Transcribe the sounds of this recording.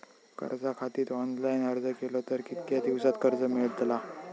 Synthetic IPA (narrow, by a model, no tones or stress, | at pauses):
kə̰ɾd͡zakʰat̪iːt̪ɔnlajnəɾd͡zəkelɔt̪əɾkit̪kad̪iwsat̪kəɾd͡zəmiɭd̪la